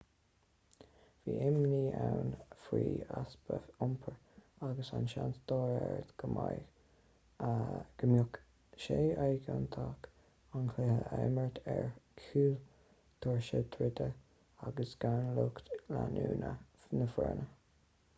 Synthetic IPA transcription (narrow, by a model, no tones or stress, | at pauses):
viːʔɪmniːawnfɾiːasb̥əʊmpʰəɹ | aɡəsanʃantd̪ɔːɾɛɹət̪ɡ̥əmaj | ɡ̥əmjʊk | ʃeːajɡant̪ʰak | ankʰlehəʔɛməɹt̪ʰɛɹkʰuːl | t̪ʰɔɹʃət̪ʰɾɪt̪ə | aɡəsɡ̥awnlukt̪lanuːnənəfɛɹnʔə